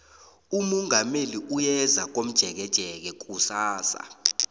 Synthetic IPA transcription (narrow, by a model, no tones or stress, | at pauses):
umɔŋʱameliʔujɛzak̬ʼom̩d̥ʒ̥ʱɛk̬ɛd̥ʒ̥ʱɛk̬ɛk̬ʼusaːsa̰